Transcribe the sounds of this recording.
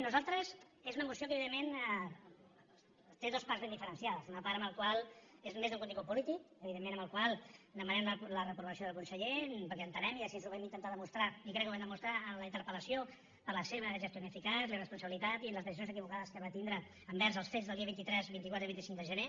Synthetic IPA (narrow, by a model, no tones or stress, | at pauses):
nuzalˠt̪ɾəs | ezunəmusiokəβiðemːen | t̪eðospaɾzβend̪ifəɾənsjaðəsunəpaɾəmbəlˠkwalˠezmezðuŋkunt̪iɣut̪pulit̪ikəβiðemːenəmbəlˠkwalˠd̪əmənɛmlələrəpɾuβəsioðəlˠkunsəʎenpəɾkɛənt̪ənɛmiəsinzuβɛmint̪ənaðəmust̪ɾaikɾɛkːəwɛmd̪əmust̪ɾaləint̪əɾpələsjo | pələsemənɾəʒəst̪jonəfikazlərəspunsəβilit̪at̪inləzðəsizonzəkiβukaðəskəβat̪ind̪ɾəː | mbɛɾzəlˠsfed͡zðəlˠd̪iəβint̪it̪ɾɛzβint̪ikwat̪ɾəβint̪isiŋd̪əʒəne